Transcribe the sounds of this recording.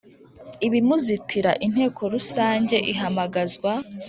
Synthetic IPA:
iβimuzitʰiɾaʔin̥he̞ːkʰo̞ɾusaːɲɟe̞ʔiɦamaɡazɡwa

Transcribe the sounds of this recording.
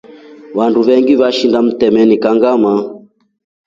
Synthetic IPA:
wanduβɛŋɡiβaʃindam̩tɛmɛnikaŋɡama

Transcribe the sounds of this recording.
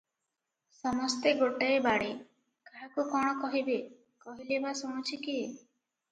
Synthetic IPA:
sɔmɔst̪eɡoʈaebaɽe | kaɽakukɔɽ̃ɔkɔɦibe | kɔɦilebasõw̃t͡ʃʰiki

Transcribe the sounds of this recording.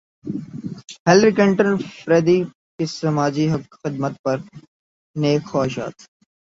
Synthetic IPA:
helɾiklɪɳʈənfɾeːd̪iː | kisɐmaːd͡ʒiɦɐkxɪd̪̚mət̪̚pɐɾ | neːkxaːɪʃa̰ːt̪

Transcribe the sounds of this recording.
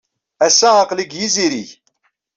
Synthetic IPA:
æsːæʁɑqliɡjiziɾiç

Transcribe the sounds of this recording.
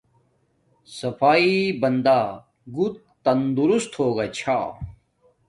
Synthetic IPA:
sɐpaːibɐnd̪aː | ɡut̪̚ | t̪ɐnd̪uɾust̪hoːɡat͡ɕʰaː

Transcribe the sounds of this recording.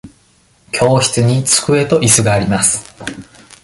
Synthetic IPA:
kʲʰo̞ːçi̥t͡sɨɲ̟it͡sɨ̥kɯ̟e̞t̪o̞ʔisɨɡaːɾʲimasɨ̥

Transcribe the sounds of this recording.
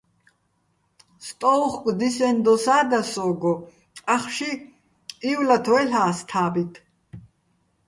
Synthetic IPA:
st̪ʼɔwχkʷʼd̪isɛnd̪ɔsaːd̪asɔːɡɔ | aχʃi | iwlat̪ʰwɛɬaːst̪ʰaːbit̪ʰ

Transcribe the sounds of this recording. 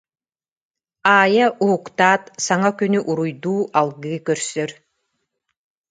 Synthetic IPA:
aːjaʔuɦukt̪aːt̪saŋakynyʔuɾujd̪uːʔalˠɡɯkœɾsœɾ

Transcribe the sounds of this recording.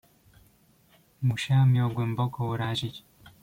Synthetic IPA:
muʃamioɡwembokʰowuɾaʒiɟe̥

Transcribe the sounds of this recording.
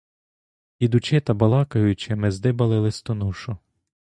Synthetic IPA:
id̪ʊt͡ʃɪt̪ɐbɐlˠɑkɐjʊt͡ʃɪmɪzd̪ɪbɐlˠɪlˠɪst̪ɔnuʃʊ

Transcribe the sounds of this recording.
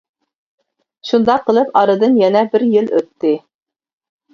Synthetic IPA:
ʃund̪ɑqʰːəlˠɨpɑɾɨd̪ɨnjɛnɛbɪɾjɪlø̰t̪ːɪ

